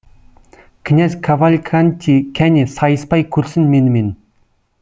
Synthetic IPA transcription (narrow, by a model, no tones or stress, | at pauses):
kʲʰɪnʲæzkʰavalʲkʰanʲt̪ʲʰikʲʰænʲesɑjəspɑjkʲʰɵɾsɪnmenɪmen